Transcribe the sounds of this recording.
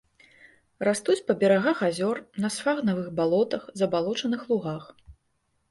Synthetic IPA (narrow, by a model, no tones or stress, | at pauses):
rast̪ut͡sʲpɐbʲɛɾaɣaxazʲɔrnɐsfaɣnɐvɨɣbalˠɔt̪ɐxzɐbalˠɔt͡ʂɐnɨxlˠuɣax